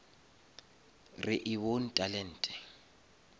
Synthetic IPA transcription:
rɪʔɪwon̩tʼalɛn̩ːtʼɛ̥

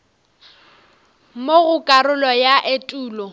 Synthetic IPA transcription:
moɣʊkʼaɾʊlɔjaʔetʼuːlɔ

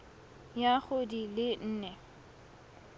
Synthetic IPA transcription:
jaχʊdilɪn̩ːnɛ

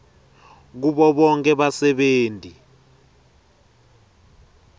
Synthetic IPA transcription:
k̬uɓɔɓɔŋkʼɛɓasɛɓeːntʼi

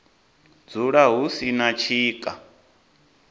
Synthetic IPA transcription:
d͡zuɺaɦusinat͡ʃʰiːkʼa̰

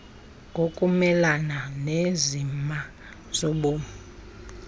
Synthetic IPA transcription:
ŋɡʱokʼumɛlananezima | z̥ɔɓɔ

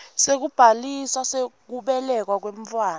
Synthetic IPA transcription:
sek̬ub̥ʱaliswasek̬uɓɛlɛk̬wak̬weɱfwaːn

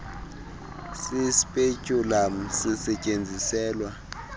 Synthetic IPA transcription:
sispʼecʼulam̩sisɛcʼend͡zʱisɛːlwa

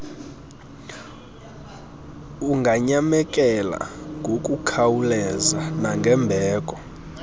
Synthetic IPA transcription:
uŋɡʱaɲamɛkʼɛla̰ŋɡʱokʼukʰawulɛzanaŋɡʱɛmbʱɛːkʼɔ

